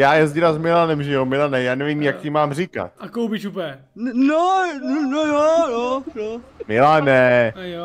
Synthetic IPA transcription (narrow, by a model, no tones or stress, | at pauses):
jaːjɛzɟɪɾazmɪlanɛmʒɛjomɪlanɛjaːnɛvimjak̚cɪmaːmr̝ika̰t̪ʔakowpɪt͡ʃupɛ | nonojojojomɪlanɛ